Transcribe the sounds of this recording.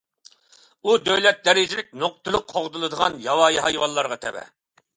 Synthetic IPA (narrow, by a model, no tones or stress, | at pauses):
ud̪øwlɛt̪̚d̪ɛɾɪd͡ʒɪlɪk̚ʲnoq̚t̪ʰɨlˠʊqːʰoʁd̪ɨlˠɨd̪əʁɑnjɑwɑjɦɑjwɑlˠːɑɾʁɑt̪ʰɛ̰bɛ̰